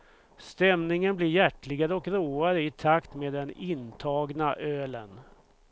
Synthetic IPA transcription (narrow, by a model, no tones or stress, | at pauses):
st̪ɛmnɪŋənblɪɾjæʈːlɪɡaɾəɔkɾoːaɾəɪt̪ʰakt̪meːd̪ɛnɪnt̪ʰɑːɡnaʔøːlə̰n